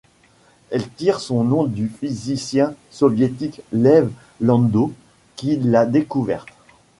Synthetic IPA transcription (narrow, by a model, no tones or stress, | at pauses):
ɛlt̪iʁsɔ̃nɔ̃d̪yfizisjɛ̃ | sɔvjet̪iklɛv | lɑ̃d̪o | kʲilad̪ekuvɛ̰ʁt̪